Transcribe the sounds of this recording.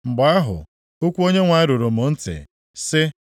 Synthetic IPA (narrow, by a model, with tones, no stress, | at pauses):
ŋ͡m̩˨ɡ͡ba˨a˦ɦʊ̰˨ | o˦kʷu˦o˦ɲe˦ŋʷa˨ɪ˦ɾo˨ɾo˨m̩ʊ˨n̩˦tɪ̰˨ | sɪ˦